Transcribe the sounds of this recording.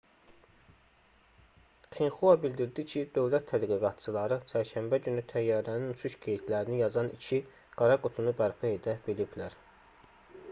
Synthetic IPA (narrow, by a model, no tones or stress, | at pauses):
χinxuɑbild̪iɾd̪icʰid̪̥øvlæt̪ʰːæd̪ɡiɡɑt̪t͡ʃʰɯlˠɑɾɯt͡ʃʰæɾʃæmbæɟynyt̪ʰæjːɑːɾænint͡ʃʰuʃɡejit̪ʰlæɾinijɑzɑnicʰi | ɡ̥ɑɾɑɡut̪ʰunubæɾpʰæhe̞d̪æbiliblæɾ